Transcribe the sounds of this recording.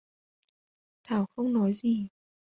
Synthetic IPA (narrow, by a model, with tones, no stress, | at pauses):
t̪ʰaː˧˩wxə˧wŋ͡mnɔ˨˦jzi˨˩